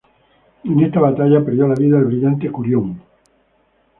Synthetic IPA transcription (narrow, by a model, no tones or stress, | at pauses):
enest̪aβat̪aʎapeɾðjolaβiðaelβɾiʎant̪ekuɾjoŋ